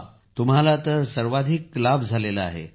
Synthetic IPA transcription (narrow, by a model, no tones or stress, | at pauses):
t̪umɦalat̪əɾsəɾʋad̪ʱiklabd͡zʱalelaa̰ɦḛ